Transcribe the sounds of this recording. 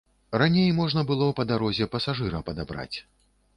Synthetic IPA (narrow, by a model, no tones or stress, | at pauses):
ranʲejmɔʐnɐbɨlˠɔpɐd̪aɾɔzʲɛpɐsaʐɨɾɐpɐd̪abɾa̰t͡sʲ